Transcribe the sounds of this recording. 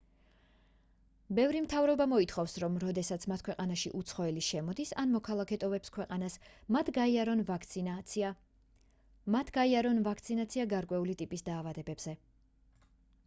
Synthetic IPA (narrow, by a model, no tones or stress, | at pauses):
bɛvɾimt̪ʰavɾɔbamɔit̪ʰχɔfsɾɔmɾɔd̪ɛsat̪sʰmat̪̚ʰkʰwɛqʼanaʃḭʔut̪sʰχɔɛliʃɛmɔd̪isanmɔkʰalˠakʰɛt̪ʼɔvɛpskʰwɛqʼanasmat̪ʰɡaiaɾɔnv | mat̪ʰɡ̥aiaɾɔnvakʰt̪sʰinat̪sʰiaɡaɾkʼwɛulit̪ʼipʼisd̪aːvad̪ɛbɛbz̥ɛ